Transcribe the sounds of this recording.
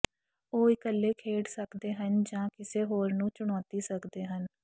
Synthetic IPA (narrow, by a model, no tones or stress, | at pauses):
oːɪkəlːeːkʰeːɽsəkd̪eːɦənd͡ʒãːkɪseːɦoːɾnũːt͡ʃʊɽ̃ɔːt̪iːsəkd̪eːɦən